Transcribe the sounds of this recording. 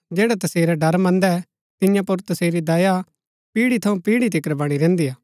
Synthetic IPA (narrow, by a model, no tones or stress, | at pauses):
d͡ʒɛːɽɛt̪ɐseːɾɛɖɐɾmɐ̃nd̪ɛ | t̪ɪjãpʊɾt̪ɐseːɾid̪ɐːja | piːɽit̪ʰɐũpiːɽit̪̬ɪkəɾbɐɽ̃iɾɛ̃ːnd̪ijaː